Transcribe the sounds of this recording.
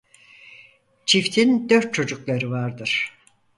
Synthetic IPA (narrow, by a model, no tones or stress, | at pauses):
t͡ʃʰift̪ʰind̪øɾt̪̚t͡ʃʰo̞d͡ʒuklˠaɾɯvaɾd̪ɯɾ̥